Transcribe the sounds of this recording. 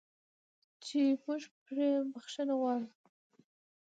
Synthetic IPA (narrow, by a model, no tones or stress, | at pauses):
t͡ʃemuʒpɾebaxʂənawɑɽu